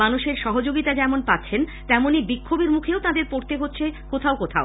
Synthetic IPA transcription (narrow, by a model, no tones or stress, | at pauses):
manuʃeɾʃɔɦod͡ʑoɡit̪ad͡ʑɛmonpatːɕʰent̪ɛmonibikʰːobeɾmukʰeot̪ad̪eɾpoɾt̪eɦotːɕʰekot̪ʰaokot̪ʰao